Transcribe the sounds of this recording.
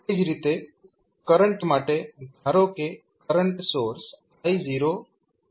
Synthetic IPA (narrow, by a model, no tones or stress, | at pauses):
ɪd͡ʒʱɾit̪e | kəɾəɳʈmaːʈed̪ʱaːɾoke | kəɾəɳʈsoːɾs | aːiziːɾoː